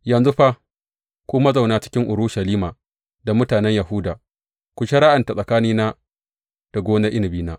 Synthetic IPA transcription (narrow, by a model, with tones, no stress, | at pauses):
jɐ˨nzu˦ɸa˦ | kʷu˦mɐ˦za˨wnaː˦t͡ʃɪ̥˦kʲɪ˦ŋʔʊ˨ɾu˦ʃɐ˨liː˦maː˨ | da˨mʊ˦taː˨nɛ˦ɲjɐ˨ɦʊ˦daː˨ | kʷʊ˨ʃe˦ɽa˦ʔɐ˨nta˨sʼɐ˨kaː˦niː˦naː˦ | d̥a˨ɡʷoː˦na˦ʔɪ˦nɪ˨biː˦naː˦